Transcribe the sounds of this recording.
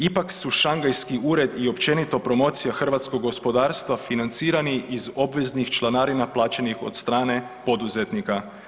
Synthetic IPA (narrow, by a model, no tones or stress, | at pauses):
ipaksuʃaŋɡajskiuːɾe̞d̪io̞pt͡ʃe̞nit̪o̞pɾo̞mo̞ːt̪sijaxr̩ʋat̪sko̞ɡɡo̞spo̞d̪aːɾst̪ʋafinant̪siːɾaniʔizo̞bʋe̞znixt͡ʃlˠanaːɾinaplˠaːt͡ʃenixo̞̰d̪st̪ɾaːne̞ | po̞d̪uzet̪nika